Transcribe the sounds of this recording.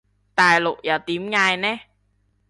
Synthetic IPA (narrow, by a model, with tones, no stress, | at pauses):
t̪aː˨˩jlʊ̰˨˩ʔ̚jaː˧˩t̪i˨˦mŋaː˨˩jnɛ˨˦